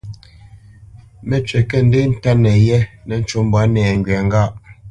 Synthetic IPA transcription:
mɛ˨t͡ʃɥɛ˨kɛ˦n̩˦de˦n̩˦ta˦nɛ˨jɛ˦nɛ˨n̩˦t͡ʃo˨˦m˦bwa˨˦nɛː˨ŋ˨ɡɥɛ˨ŋ˦ɡa˦˨ʔ

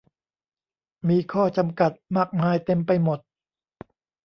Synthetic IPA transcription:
miː˧kʰɔː˥˩t͡ɕa˧mka˨˩t̪̚maː˥˩k̚maː˧jt̪e˧mpa˧jmo˨˩t̪̚

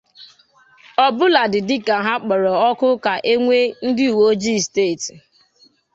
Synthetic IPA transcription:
ɔ˨bʊ˦la˨dɪ˨dɪ˦ka˨ɦa˦k͡pɔ˨ɾɔ˨ɔ˦kʊ˦ka˨ʔe˦ŋʷe˦n̩˦dɪ˦u˨wo˦d͡ʒi˦˨steː˦˨t

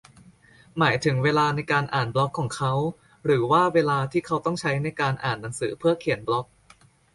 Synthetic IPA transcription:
maː˩˦jt̪ʰɯ˩˦ŋweː˧laː˧na˧jkaː˧nʔaː˨˩nblɔ˦˥kʰːɔː˩˦ŋkʰa˦˥w | ɾɯː˩˦waː˥˩weː˧laː˧t̪ʰiː˥˩kʰa˦˥wt̪ɔ˥˩ŋt͡ɕʰa˦˥jna˧jkaː˧nʔa̰ː˨˩nːa˩˦ŋsɯː˩˦pʰɯ˥˩ɐkʰi˨˩˦ənblɔ˦˥k̚

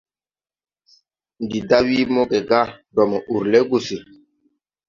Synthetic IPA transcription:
n˨di˨da˦wi˦mɔ˦ɡɛ˨ɡa˦dɔ˨mɔ˨u˨ɾlɛ˦ɡu˨si˨

